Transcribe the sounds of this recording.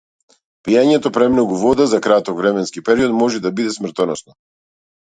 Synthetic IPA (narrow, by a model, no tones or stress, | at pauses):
pijaɲɛt̪ɔpɾɛmnɔɡuvɔd̪azakɾat̪ɔkvɾɛmɛnskipɛɾiɔt̪mɔʒɛd̪abid̪ɛsmr̩t̪ɔnɔsnɔ